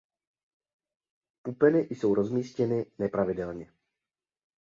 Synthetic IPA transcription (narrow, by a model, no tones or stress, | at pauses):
pupɛnɪʔjso̞wɾo̞zmiːscɛnɪnɛpɾavɪdɛlɲɛ